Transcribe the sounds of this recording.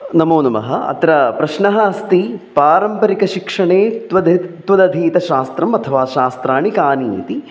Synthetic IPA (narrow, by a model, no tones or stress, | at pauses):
nɐmoːnɐmɐ̰ɦɐɐ̰t̪ɾɐpɾɐʃɳɐɦɐɐst̪ipaːɾɐmpɐɾikɐʃikʂɐɳeːt̪ʋɐd̪t̪ʋɐd̪ɐd̪ʱiːt̪ɐʃaːst̪ɾɐmɐt̪ʰɐʋaːʃaːst̪ɾaːɳikaːniːt̪i